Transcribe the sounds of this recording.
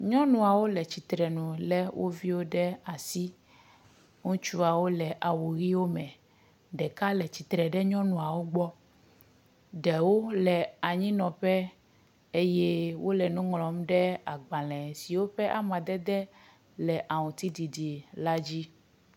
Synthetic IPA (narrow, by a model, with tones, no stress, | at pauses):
ɲɔ̃˦nũ˨a˨wo˦lɛ˨t͡ɕi˨t̪ɾɛ˨nũ˨lɛ˦wʔo̰˦vi˦wo˦ɖɛ˦a˨si˦ | ŋũ˦t͡ʃu˦a˨wo˦lɛ˨ʔa˨wo˨ɣi˦wo˦mɛ̃˨ | ɖɛ˨ka˦lɛ˨t͡ɕi˨t̪ɾɛ˨ɖɛ˦ɲɔ̃˦nũ˨a˨wo˦ɡ͡bɔ˦ | ɖɛ˨wo˦lɛ˨a˨ɲĩ˦nɔ̃˨ɸɛ˦ | e˦jɛ˦wo˦lɛ˨nũ˦ŋlɔ̃˨˦m˦ɖɛ˦a˨ɡ͡bã˨lɛ̃˨si˨wo˦ɸɛ˦ʔa˦mã˨d̪ɛ˦d̪ɛ˦ | lɛ˨ʔa˨wũ˨t̪i˦di˨di˨la˦d͡ʑi˦